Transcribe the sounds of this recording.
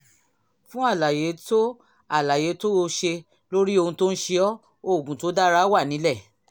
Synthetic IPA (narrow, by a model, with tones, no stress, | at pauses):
fũ˦a˦˨la˨je˨˦to˦ | a˨la˨je˨˦to˦o˧˦ʃe˧ | lo˦ɾi˦o˧hũ˧to˦n̩˦ʃe˧ɔ˦ | o˦˨ɡũ˨to˨˦da˦ɾa˦wa˦˨nĩ˨˦lɛ˦˨